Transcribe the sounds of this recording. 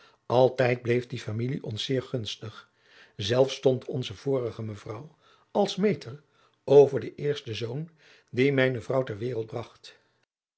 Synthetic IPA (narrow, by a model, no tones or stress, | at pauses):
ʔɑlˠtɛjd̚blejfdifamiliʔɔnsɪːɹχɵnstəχ | zɛlˠfstɔntʰɔnzəv̥ʊːrəχəməvrʌw | ɑlˠsmejtər | owvəɹdəʔɪːɹstəzown | dimɛjnəvrʌwtɛɹʋɪːrəlˠt̚brɑχt